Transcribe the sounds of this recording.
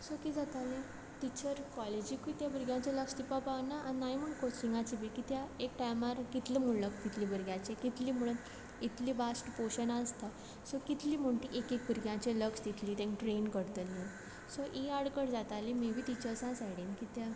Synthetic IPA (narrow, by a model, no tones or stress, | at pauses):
sokid͡zat̪alẽ | t̪it͡ɕəɾkɔled͡ʑikut̪jabəɾɡjãt͡ɕeləkst̪ipapaʋnaʔːnːajm̤əɳkoiŋɡat͡ɕibikit̪jaek̚ʈajmaɾkit̪lemuɭləkkit̪ʰliːbəɾɡjãt͡ɕekit̪liːm̤əɭuːn | it̪liːbasʈpoɕənast̪a | sokit̪liːm̤oɳʈiʔekek̚bʱəɾɡjãt͡ɕeləkst̪it̪ʰliːt̪ẽŋʈɾenkəɾt̪əlːe | soʔiaɽkəɽd͡zat̪alẽmibʱiːt̪it͡ɕəɾsãsajɽenkit̪ja